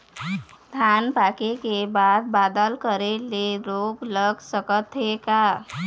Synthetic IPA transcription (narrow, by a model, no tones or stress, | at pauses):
d̪ʱanpakekebad̪̚bad̪əlkəɾeleɾoɡləɡsəkət̪ɦeka